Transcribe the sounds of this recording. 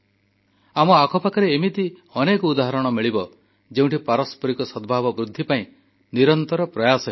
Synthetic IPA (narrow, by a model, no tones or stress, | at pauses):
amɔakʰɔpakaɾeːmit̪iɔnekɔud̪aɦɔɾɔɽ̃ɔmiɭibɔ | d͡ʒeũɳʈipaɾɔspɔɾikɔsɔd̪bʱabɔbɾud̪ʱːipaĩ | niɾɔnt̪ɔɾɔpɾɔjasɔ